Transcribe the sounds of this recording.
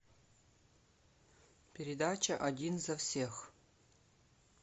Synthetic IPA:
pʲɪɾʲɪd̪at͡ʃɐʔɐdʲinzɐfsʲex

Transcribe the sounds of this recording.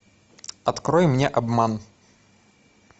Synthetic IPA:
ɐt̪kɾɔjmnʲɛʔabman

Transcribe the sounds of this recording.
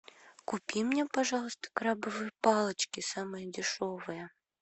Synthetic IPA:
kupʲimnʲɛpaʐɑlˠəst̪ɐ̥kɾabɨvɨjpɑlˠɐt͡ʃkʲisamɨjɐd͡zʲiʂɔvɨjɛ

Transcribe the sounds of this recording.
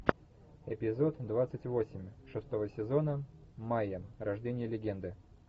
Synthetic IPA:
ɪpʲɪzo̞t̪d̪vat̪sɨtʲvo̞sʲɪmʲʂɨst̪o̞vəsʲɪzo̞nəmajəmɾɐʐdʲenʲɪjəlʲɪɡʲe̞nd̪ɨ

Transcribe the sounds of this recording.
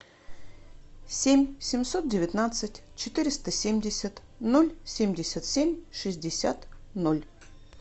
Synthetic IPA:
sʲemʲsʲɪmʲso̞t̪̚dʲɪvʲɪt̪nat̪sɨtʲt͡ɕɪt̪ɨɾʲɪst̪əsʲemʲdʲɪsʲət̪ | nolʲsʲemʲdʲɪsʲət̪sʲemʲʂɨzʲdʲɪsʲa̰t̪nolʲ

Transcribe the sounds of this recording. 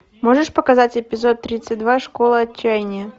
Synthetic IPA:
moʐɨʂpəkɐzatʲɪpʲɪzo̞t̪ːɾʲit̪sɨt̚ʲd̪vaʂkolˠəɐt͡ɕːæjnʲɪjə

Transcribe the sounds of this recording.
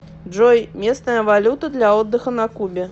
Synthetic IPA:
d͡ʐɔjmʲest̪nɐjɐvalʲut̪ɐd̪lʲɐɔd̪ːɐxɐnɐkubʲɛ

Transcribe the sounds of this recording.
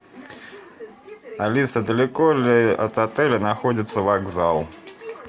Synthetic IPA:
alʲisɐd̪ɐlʲɛkɔlʲɐt̪at̪ɛlʲɐnaxɔd͡zʲit̪sːɐvaɡzalˠ

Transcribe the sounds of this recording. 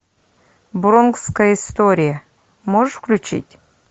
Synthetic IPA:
bɾonkskəjəist̪oɾʲɪjə | moʐɨʂfklʲʉt͡ɕḭtʲ

